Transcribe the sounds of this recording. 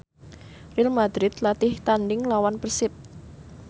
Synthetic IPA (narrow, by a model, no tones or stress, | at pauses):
rɪlmad̪ɾɪt̪lat̪ɪht̪anɖɪŋlawanpərsɪp̚